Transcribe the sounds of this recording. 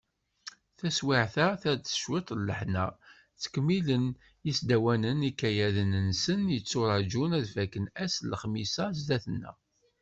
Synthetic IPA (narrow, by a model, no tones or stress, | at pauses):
θæswɪʕθæθæd̪θə̥ʃwɪt̪ˤlːəħnæ | t͡sːə̥kmːilən | jisd̪æwænənikːæjæðənənsənjət͡sːʊɾˤɑd͡ʒunæðfækːənæsləχmisæzd̪æθənːæ̰